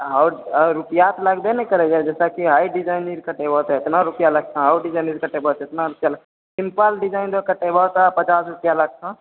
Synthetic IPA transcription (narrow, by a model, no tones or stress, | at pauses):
ɦaɾʊpijat̪ləɡd̪enəikəɾed͡ʒad͡ʒɛːsakiɦaiɖid͡ʒaɪniɾkəʈebʱɔt̪ɛɪt̪naɾupjaləɡ̚t̪ʰãəɖid͡ʒaːjniɾkəʈebʱɔt̪ɪt̪naɾʊpjalə | simpəlɖid͡ʒaːɪnd̪okəʈebɔɦt̪apət͡ʃaːsɾʊpjaləɡ̚sʰã